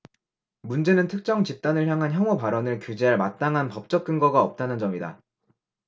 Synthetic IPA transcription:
mund͡ʑe̞nɯntʰɯk̚t͡ɕ͈ʌŋt͡ɕip̚t͈anɯɭçjaŋɦançjʌŋopaɾʌnɯɭkjud͡ʑe̞ɦaɭmat̚t͈aŋɦanpʌp̚t͡ɕ͈ʌk͈̚ɯnɡʌɡaʌp̚t͈anɯnd͡ʑʌmida̰

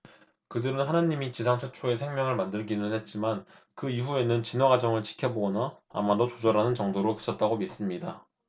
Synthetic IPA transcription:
kɯdɯɾɯnɦanaɲimit͡ɕisʰaŋt͡ɕʰet͡ɕʰoe̞sʰeŋmjʌŋɯɭmandɯɭɡinɯnhe̞t̚t͡ɕ͈imankɯiɸue̞nɯnt͡ɕinwaɡad͡ʑʌŋɯɭt͡ɕʰi̥kʰjʌboɡʌna̰ː | madot͡ɕod͡ʑʌɾanɯnt͡ɕʌŋdoɾokɯ̥t͡ɕʰʌt̚t͈aɡomis͈ɯmɲida

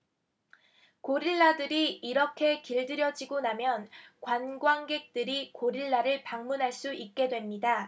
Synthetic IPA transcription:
koɾiɭːadɯɾiːɾʌkʰe̞kiɭdɯɾjʌd͡ʑiɡonamjʌnkwanɡwaŋɡe̞k̚t͈ɯɾikoɾiɭːaɾɯɭpaŋmunɦaɭs͈uʔik̚k͈e̞dwe̞mɲida

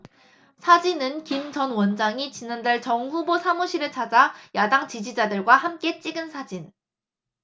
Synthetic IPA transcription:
sʰad͡ʑinɯnkimt͡ɕʌnwʌnd͡ʑaŋit͡ɕinandaɭt͡ɕʌŋɸubosʰamuɕʰiɾɯɭt͡ɕʰad͡ʑajadaŋt͡ɕid͡ʑid͡ʑadɯɭɡwahamk͈e̞t͡ɕ͈iɡɯnsʰad͡ʑin

